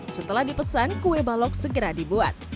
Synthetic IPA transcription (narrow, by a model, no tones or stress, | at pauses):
sət̪əlahdipəsankuwebalɔk̚səɡəɾadibua̰t̪̚